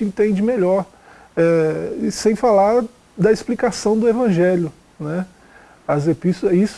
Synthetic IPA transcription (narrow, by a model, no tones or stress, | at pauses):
ẽnt̪ẽd͡ʒɪmeʎɔɾ | ɛsẽj̃falaɾ | d̪ɐesplikasɐ̃w̃d̪ʊevɐ̃ʒɛljʊ | nɛ | ɐzepist̪ois